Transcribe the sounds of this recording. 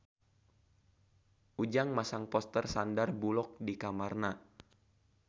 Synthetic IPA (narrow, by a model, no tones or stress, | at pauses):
ʔud͡ʒaŋmasaŋpɔst̪ərsandarbulɔk̚dikamarna